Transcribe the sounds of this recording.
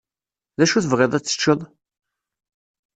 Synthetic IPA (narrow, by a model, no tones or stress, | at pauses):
ðæʃuθəvʁeðˤæt͡sːə̥t͡ʃːəðˤ